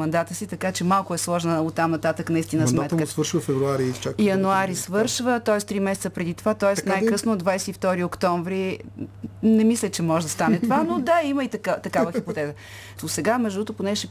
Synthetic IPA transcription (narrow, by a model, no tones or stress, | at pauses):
ɐnd̪at̪əsit̪ɐkat͡ʃɛmalˠkʊɛslˠɔʒnəot̪ːamnɐt̪at̪əknɐist̪inəmɛt̪kəsvəɾʃvəfɛvɾuaɾit͡ʃijɐnuaɾisvɤɾʃvət̪ɔɛst̪ɾimɛsɛt̪səpɾɛd̪it̪ovat̪ɔɛsnajkɾɤsnod̪vajsɛift̪ɔɾiokt̪ɔɱvɾi | nɛmislʲɛt͡ʃɛmɔʒɛd̪ɐst̪anɛt̪ovanod̪aiməit̪kt̪ɐkavəxipot̪ɛzə | osɛɡamɛʒd̪ut̪oponɛʃɛ